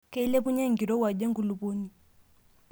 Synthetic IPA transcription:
kɛ˦i˦lɛ˦pu˦ɲa˦ŋɡi˨ɾɔ˦wa˨ʄɛ˦ŋɡu˨lu˨βɔ˦ni˨

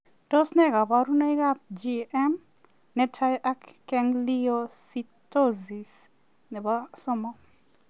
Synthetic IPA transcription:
to˦snɛ˦ɡa˨ba˦ɾu˦na˦i˦ɡa˦p̚d͡ʒi˨ɛ˦m | nɛ˦tʰa˦jʔa˦kːɛ˦ŋli˦o˦sittːo˦zi˨s | nɛ˨ba˦sɔ˦mɔ˦

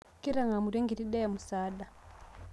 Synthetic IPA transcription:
ki˦ɾa˨ŋa˨mu˨ɾe˦ŋɡi˨ɾi˦ɗe˦ja˨mu˨saː˦da˨

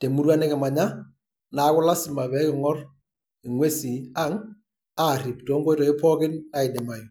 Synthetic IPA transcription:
te˨mu˦ɾwa˦nɛ˦kɪ˨ma˨ɲa˦ | na˨˦kʊ˦la˦sɪ˨ma˨bɛ˦kɪ˨ŋɔ˦r | ɪ˨ŋwe˦si˨a˦ŋ | aː˦˨ri˨ptɔ˨˦ŋɡɔ˦ɪ˦ɾɔ˨ɪ˦pɔ˦kɪ˦na˨ɪ˨dɪ˨ma˨ji˨

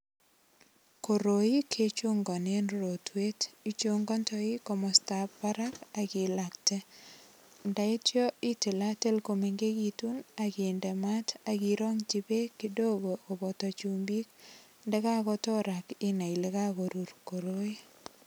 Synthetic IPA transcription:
ko˨ɾo˨i˦kʰe˦t͡ʃu˦ŋɡɔ˨ne˦nro˨twe˦ti˦t͡ʃo˦ŋɡɔ˦ntɔ˦i˦ko˨mɔ˨sta˨pːa˦ɾa˦ka˨ki˨la˨kte˦ | nda˨i˦tjɔ˦i˦ti˨la˦te˦lko˨me˨ŋɡe˦ɡi˨tu˦naki˨nde˨ma˦ta˨ɡiɾo˦ŋt͡ʃibe˦ki˦do˦ɡo˨ko˨bɔ˨tɔ˨t͡ʃu˨mbi˦k̚ | nde˦ka˦kɔ˦tɔ˦ɾa˨kɪ˦na˨i˨le˦ka˦ɣo˨ɾu˨rko˨ɾo˦i˦

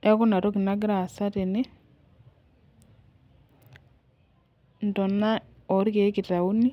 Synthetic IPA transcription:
ɛ˦kɔ˦na˨ɾo˦kɪ˨na˦ɡɪ˦ɾa˨sa˦te˨ne˦ | n˨tɔ˨na˦ɔ˨˦ɾke˨˦kɪ˨ta˨u˦ni˦

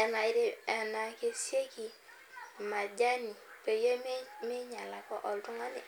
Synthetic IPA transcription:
ɛ˨na˨i˦ɾe˦ɛ˨na˨ke˦sje˦ki˨ | ma˨d͡ʒa˦ni˨ | pe˨je˦me˦ɲa˨la˨kɔ˦ʔɔ˨ltu˦ŋa˦nḭ˨

